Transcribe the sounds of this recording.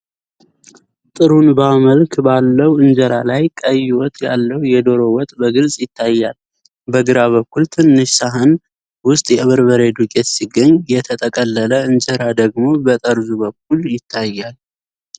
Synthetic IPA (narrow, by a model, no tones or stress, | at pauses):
t̪ʼɨɾunbaməlkbalːəwɨnd͡ʒəɾa̰lajkʼəjːɪwɔt̪ʼja̰lːəwjɛd̪o̞ɾo̞wɔt̪ʼbəɡɨlsʼjɪt̪ʰːajːal | bəɡɨɾaβəkːult̪ʰɨnːɨʃsaɦən | wʊst̪ʼjɛɨβɨɾβəɾe̞d̪ukʼet̪siɡːəɲjɛt̪ʰət̪ʼəkʼəlːələɨnd͡ʒəɾad̪əɡmo̞bət̪ʼəɾzubək̚ʰːuljɪt̪ʰːajːal